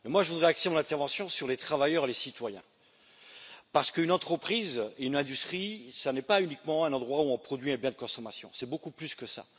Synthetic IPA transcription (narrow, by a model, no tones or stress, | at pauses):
mɛmwaʒəvud̪ʁɛaksemɔ̃nɛ̃t̪ɛʁvɑ̃sjɔ̃syʁlet̪χavajœʁelesit̪wajɛ̰̃ | paʁsə̥kəynɑ̃t̪χəpχizeynɛ̃d̪yst̪χisanɛpaynikmɑ̃ɛ̃nɑ̃d̪ʁwauɔ̃pχɔd̪ɥiɛ̃bjɛ̃d̪əkɔ̃sɔmasjɔ̰̃sɛbokuplyskəsa̰